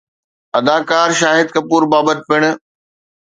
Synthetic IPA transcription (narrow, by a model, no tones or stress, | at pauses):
ɐd̪aːkaːɾʃaːɦɪd̪̚kɐpuːɾbaːbət̪̚pɪɽ̃̆